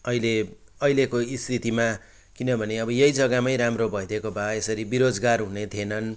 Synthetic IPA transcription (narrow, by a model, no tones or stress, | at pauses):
ʌileʌjlekoist̪ʰit̪ima | kinʌbʱʌneʌbʌjʌjd͡zʌɡamʌjɾamrobʱʌjd̪ʱekobʱaesʌɾibiɾod͡zɡarɦunet̪ʰienʌn